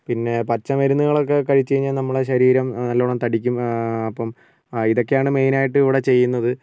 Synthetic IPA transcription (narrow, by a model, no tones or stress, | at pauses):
pinːe̞pɐt͡ɕːɐmɐɾunːuɣɐɭo̞k̬ːe̞kɐɻit͡ɕːejiɲːaːlnɐmːɐɽeɕɐɾiːɾɐmnɐlːɐoɭɐmt̪ɐɽikʲːumɐpːɐm | iðo̞kːe̞jaːɳɨme̞jnaːjiʈːɨiʋiɽe̞t͡ɕe̞jːunːɐðɨ